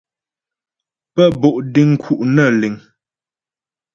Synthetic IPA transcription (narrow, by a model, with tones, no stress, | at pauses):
pə˦˨bo˨ʔdi˦ŋ̩˦kʰu˨ʔnə˦˨li˨ŋ